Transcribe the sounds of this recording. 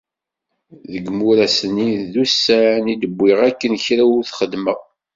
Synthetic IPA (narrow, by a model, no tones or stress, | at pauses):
ðəɡmuɾæsəniððusːænid̪əbʷːiʁækːənçɾæʊɾθχəd̪məʁ